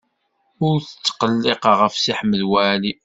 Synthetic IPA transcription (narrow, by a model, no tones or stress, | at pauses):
ʊɾθə̥t͡sːqəlːeqʁəfsiħməðwæli